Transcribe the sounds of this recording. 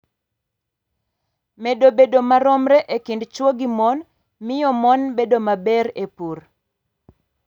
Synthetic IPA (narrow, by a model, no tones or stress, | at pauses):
medobedomaɾɔmɾɛʔekindt͡ʃwoɡimɔn | mɪjɔmɔnbedomabɛɾepur